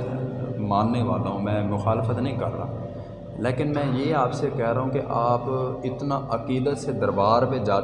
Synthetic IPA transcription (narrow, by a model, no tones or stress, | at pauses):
mãːnːeʋaːlaːɦũːmɛ̃ːmʊxaːlfʰət̪nəĩːkəɾɾa̰ː | leːkɪnmɛ̃ːjeːaːpsekɛɦɾaːɦũːkeʔaːpɪt̪naːʔəkiːd̪ət̪sed̪əɾbaːɾpẽd͡ʒaː